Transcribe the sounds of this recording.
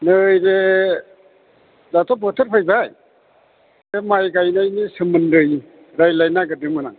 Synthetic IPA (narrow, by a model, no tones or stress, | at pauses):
nɯjɾe | latʰɔbɔtʰəɾpʰajbaj | emajɡajnajnisɯmɯnɾɯj | ɾajlajnaɡɯdɯmɯnaŋ